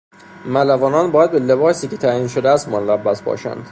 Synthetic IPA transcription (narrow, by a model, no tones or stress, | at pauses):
mælævɒːnɒːnbɒːjæd̪belebɒːsiːcʲʰe̞t̪ʰæjiːnʃod̪eæst̪monlæbːæsbɒ̰ːʃæ̰nd̪̥